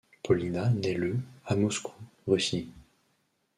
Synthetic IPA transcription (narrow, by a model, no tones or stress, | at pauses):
pɔlinanɛləamɔskʰu̥ʁysi